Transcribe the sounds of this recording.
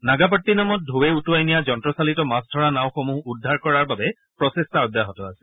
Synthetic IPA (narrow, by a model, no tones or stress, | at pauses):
naɡap̬ɔtːinamɔt̚dʱowɛutuajnijad͡ʒɔntɹɔsalitɔmasdʱɔɹanaʊ̃xomuɦudʱːaɹkɔɹaɹbabɛ | pɹɔsestaɔdjaɦɔtɔasɛ̥